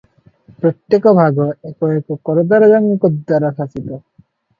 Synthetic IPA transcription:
pɾɔt̪jekɔbʱaɡɔekɔekɔkɔɾɔd̪aɾɔd͡ʒanːikɔd̪ːaɾakʰasit̪ɔ

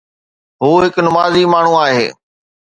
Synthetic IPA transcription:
ɦuːɦɪknʊmaːzimaːɳ̤ũaːɦḛː

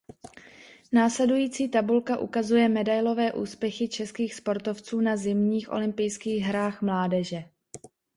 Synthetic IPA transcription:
naːslɛdujiːt͡siːt̪abulkaʔṵkazujɛmɛdajlo̞vɛːʔuːspjɛxɪt͡ʃɛskiːxspo̞ɾt̪o̞ft͡suːnazɪmɲiːxʔo̞̰lɪmpɪjskiːɣɦɾaːxmlaːdɛʒɛ

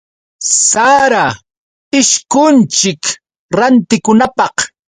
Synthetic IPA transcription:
saɾa | ɪʃkʊnt͡ʃɪk | ɾant̪ɪkʊnapɑq

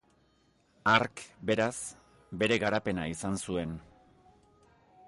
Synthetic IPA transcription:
aɾkbe̞ɾas | be̞ɾe̞ɣaɾape̞naisansue̞n

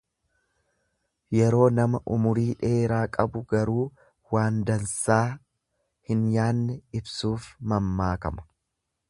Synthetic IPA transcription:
jɛɾo̞ːnɐmɐʔʊmʊɾiːᶑe̞ːɾaːkʼɐbʊɡɐɾuː | waːnd̪ɐnsaː | hɪnjaːnːɛɪbsuːfmɐmːaːkɐmɐ̥

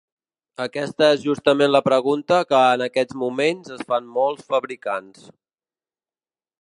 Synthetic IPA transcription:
əkɛst̪əezʒust̪əmenləpɾəɣunt̪əkəːnəkɛd͡zmumenzəsfanmɔlˠsfəβɾikans

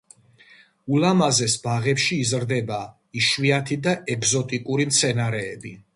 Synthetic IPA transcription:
ulamazɛsbaʁɛpʃiːzɾd̪ɛba | iʃwiat̪ʰid̪aɛɡzɔt̪ʼikʼuɾimt̪sʰɛnaɾɛːbi

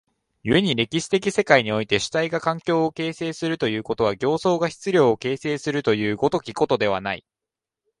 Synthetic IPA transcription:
jɯ̟e̞ɲ̟iɾe̞kʲiɕi̥t̪e̞kʲise̞kaiɲ̟io̞it̪e̞ɕi̥t̪aiɡakãŋkʲo̞ːke̞ːse̞ːsɨɾɯ̟t̪o̞jɯ̟ːko̞t̪o̞βaɡʲo̞ːso̞ːɡaçi̥t͡sɨɾʲo̞ːoke̞ːse̞ːsɨɾɯ̟t̪o̞jɯ̟ːɡo̞t̪o̞kʲiko̞t̪o̞d̪e̞β̞a̰naḭ

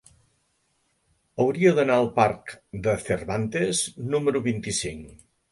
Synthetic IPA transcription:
əwɾiəðənaəlˠparkd̪əθərβant̪eznuməɾuβint̪isiŋ

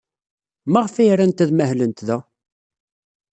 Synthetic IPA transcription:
mæʁfiɾænt̪æðmæhlənt̪ðæ

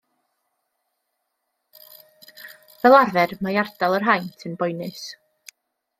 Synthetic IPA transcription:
vɛlˠarvɛrmajardalˠərɦajntʰɨnbɔjnɨs

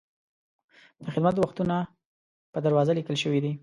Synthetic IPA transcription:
d̪̥əxɪd̪mat̪̚əwaxt̪una | pəd̪aɾwɑzalikəlʃəwid̪i

